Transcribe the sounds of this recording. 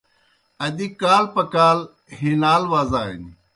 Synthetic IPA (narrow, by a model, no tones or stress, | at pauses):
ɐd̪iːkaːlpɐkaːl | ɦinaːlʋaːzaːɦɪ̰n